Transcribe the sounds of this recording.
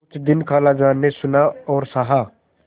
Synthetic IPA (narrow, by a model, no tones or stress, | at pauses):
ʊt͡ʃʰd̪ɪnkʰaːlad͡ʒaːnːesʊnaɔːɾsaɦa